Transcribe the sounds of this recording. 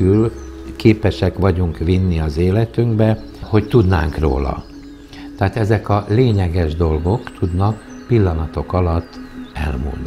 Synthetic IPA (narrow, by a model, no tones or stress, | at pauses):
yl | keːpɛʃɛkʋɒɟuŋkʋinːiɒzeːlɛt̪yŋɡbɛ | ho̞ct̪ud̪na̰ːŋkro̰ːlɒ̰ | t̪ɛɦaːt̪ɛzɛkɒleːɲɛɡɛʒd̪o̞lɡo̞kt̪ud̪nɒk | pilːɒnɒt̪o̞kɒlɒt̪ːɛ̰lmṵnːi